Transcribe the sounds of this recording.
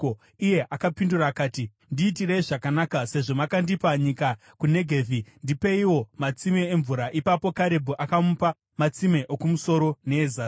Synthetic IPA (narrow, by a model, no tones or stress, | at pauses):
ije̞ʔakapinduraːkaːti | ndiːtireiʐakanakase̞ʐo̞makandipaɲika | kune̞ɡʱeːvʱindipe̞iwo̞mat͡sime̞ːɱvuɾaʔipapo̞kaɾe̞bʱuʔakamupa | mat͡sime̞ʔokumuso̞ɾo̞ne̞ːza